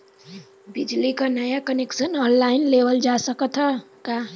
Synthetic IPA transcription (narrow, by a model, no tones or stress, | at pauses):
bid͡ʒlikanʌjakəneksʌnʌnlainlebʌld͡ʒasʌkʌt̪ʰʌ | ka